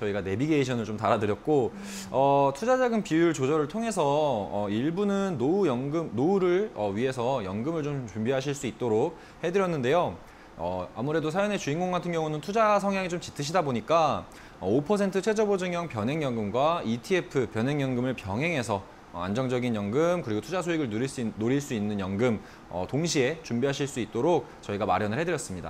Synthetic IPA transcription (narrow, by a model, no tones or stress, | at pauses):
t͡ɕʌiɡane̞biɡeiɕʰʌnɯɭt͡ɕomtaɾadɯɾjʌt̚k͈o | ʌtʰud͡ʑad͡ʑaɡɯnpijuɭt͡ɕod͡ʑʌɾɯɭtʰoŋe̞sʰʌʌiɭbunɯnːoujʌŋɡɯmnouɾɯɭʌɥie̞sʰʌjʌŋɡɯmɯɭt͡ɕomt͡ɕumbiɦaɕ̬ʰiɭs͈uit̚t͈oɾok̚ | he̞dɯɾjʌnːɯnde̞jo | ʌ̰a̰muɾe̞dosʰajʌne̞t͡ɕuinɡoŋɡatʰɯnɡjʌŋunɯntʰud͡ʑasʰʌŋɦjaŋit͡ɕomt͡ɕi̥tʰɯɕ̬ʰidaboɲik͈a | ʌopʰʌs̬ʰe̞ntʰɯt͡ɕʰed͡ʑʌbod͡ʑɯŋjʌŋpjʌnɦeŋjʌŋɡɯmɡwaitʰie̞pʰɯpjʌnɦe̞ŋjʌŋɡɯmɯɭpjʌŋɦe̞ŋɦe̞sʰʌ | a̰nd͡ʑʌŋd͡ʑʌɡinjʌŋɡɯmkɯɾiɡotʰud͡ʑasʰoiɡɯɭnɾiɭs͈unoɾiɭs͈uinːɯnjʌŋɡɯm | ʌ̰toŋɕʰie̞t͡ɕumbiɦaɕ̬ʰiɭs͈uit̚t͈oɾok̚t͡ɕʌiɡama̰ɾjʌnɯɭhedɯɾjʌs͈ɯmɲida̰